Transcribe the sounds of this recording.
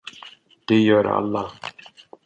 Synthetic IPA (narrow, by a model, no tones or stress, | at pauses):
d̪̥ɛjœːɾ̰a̰lːɑ